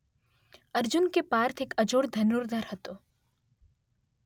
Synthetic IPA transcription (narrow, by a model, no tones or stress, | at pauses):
ɐɾd͡ʒʊnkepaːɾt̪ʰeːkɐd͡ʒoːɽd̪ʱɐnuɾd̪ʱɐɾhət̪oː